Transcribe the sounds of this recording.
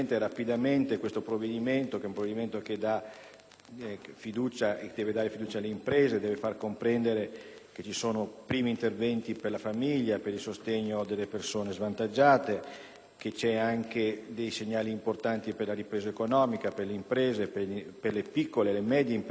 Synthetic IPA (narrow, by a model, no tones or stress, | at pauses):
nt̪eɾapid̪ament̪ekwest̪opɾovːed̪iment̪okeɛũmpɾoved̪iment̪oked̪a | fid̪uːt͡ʃaed̪ɛːved̪aːɾefid̪uːt͡ʃaːlːeimpɾeːzed̪ɛːvefarkompɾɛnd̪eɾe | ket͡ʃisoːnopɾiːmiːnt̪ervɛnt̪iperlafamiʎːapeɾilsost̪eɲːod̪elːepersoːnezvant̪ad͡ʒːaːt̪e | ket͡ʃɛaŋked̪ejseɲːaːliːmport̪ant̪iperlaɾipɾeːzaekonɔːmikaperleimpɾeːzepeperlepikːolelemɛd̪jeimp